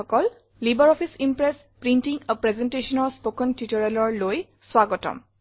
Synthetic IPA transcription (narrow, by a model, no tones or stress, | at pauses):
ɔkɔl | libɔɹɔpʰisimpɹɛs | pɹintiŋəpɹɛzɛntesɔnɔɹspokɔntitɔɹɛlɔɹloj | swaɡɔtɔ̰m